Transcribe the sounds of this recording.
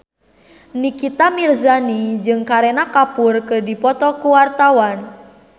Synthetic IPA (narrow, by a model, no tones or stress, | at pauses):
nikit̪amirzanid͡ʒɨŋkaɾenakapʊrkɨrdipɔt̪ɔkuwart̪awan